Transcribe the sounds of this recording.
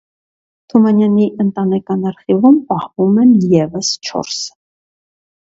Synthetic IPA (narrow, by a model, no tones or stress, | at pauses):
t̪ʰumɑnjɑniʔənt̪ɑnɛkɑnɑɾχivumpɑhvumɛnjɛvəst͡ʃʰɔ̰ɾs